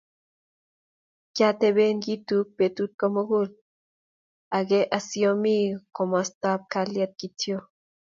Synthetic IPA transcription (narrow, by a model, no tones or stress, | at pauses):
kjat̪eβenɡit̪uk̚pet̪ut̪̚komoɡul | aɡeʔasjomikomast̪ap̚kaljat̪̚kit̪jo